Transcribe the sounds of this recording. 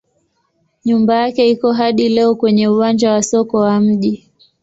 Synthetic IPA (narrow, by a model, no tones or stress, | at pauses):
ɲumbajakɛikɔɦaɗilɛɔkwɛɲɛuwand͡ʒawasɔkɔwam̩ʄi